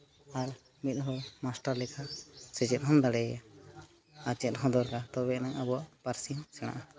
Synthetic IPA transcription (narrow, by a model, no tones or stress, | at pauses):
aɾ | mit̪̚ɦɔmasʈaɾlɛkʰasɛd͡ʒɛt̪̚ɦɔnd̪aɽɛja̰ | at͡ʃɛt̪̚ɦɔ̃d̪ɔɾkat̪ɔβɛʔnaŋabɔwaʔpaɾsiɦsɛɽ̃a̰ʔa